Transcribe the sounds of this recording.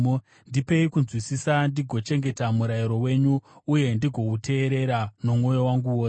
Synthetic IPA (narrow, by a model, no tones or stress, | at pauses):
ndipe̞ikunzwisisandiɡʱo̞t͡ʃe̞ŋɡe̞tamuɾajiɾo̞we̞ɲuːje̞ndiɡʱo̞ute̞ːɾe̞ɾano̞mŋo̞jo̞waŋɡuwoːs